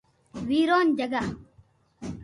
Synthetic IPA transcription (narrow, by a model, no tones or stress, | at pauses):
wiːɾoːnd͡ʒɐɡaː